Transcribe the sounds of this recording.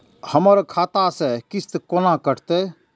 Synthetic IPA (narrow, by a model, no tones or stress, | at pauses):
həməɾkʰaːt̪asekist̪konakəʈʰt̪e